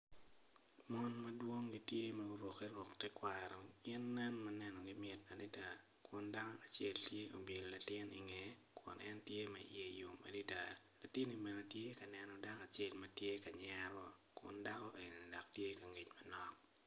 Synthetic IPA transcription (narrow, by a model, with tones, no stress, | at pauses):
mɔ˦nmɐ˦dwo˦ŋɡi˨tje˦mɐ˨ɡʊ˦ɾwo˨ke˦ɾɔ˨ktɛ˦kwa˨ɾɔ˨ɪ˦nːɛ˦nmɐ˦nɛ˦nɔ˨ɡɪ˦mɪ˨t̚ɐ˨di˦da˨ | kʊ˨nda˦kɔ˦a˨t͡ʃe˦ltje˦ʔo˨bje˨lla˨tɪ˦ni˨ŋe˨kʊ̰˨nʔɛ˦ntje˦mɛ̰˨je˨jo˨ma̰˨di˦da˨la˨tɪ˦ni˨be˨no˨tje˦ka˨nɛ˨nɔ˨da˦ka˨t͡ʃe˦lmɐtje˦ka˨ɲɛ˦ɾɔ˦kʊ̰˨nda˦kɔ˦ʔe˨ni˨dɔ˨k̚tje˦kɐ˨ŋi˨t͡ʃmɐ˦nɔ˦k̚